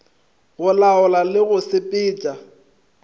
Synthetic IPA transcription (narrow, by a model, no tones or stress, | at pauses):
ɣʊlaʊlalɪɣʊsɪpʼɪːt͡ʃʼa